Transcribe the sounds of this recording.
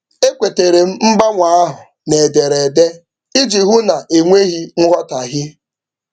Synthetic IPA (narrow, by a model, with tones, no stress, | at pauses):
e˦kʷe˨te˨ɾe˨m̩˦m̩˦ɡ͡ba˦ŋʷa˦a˦ɦʊ˨ | ne˨e˨de˨ɾe˨de˦ | i˦d͡ʒi˨ɦʊ˦na˨ʔe˨ŋʷe˦ɦi˦ŋ̩˦ɦɔ˦ta˨ɣɪ˦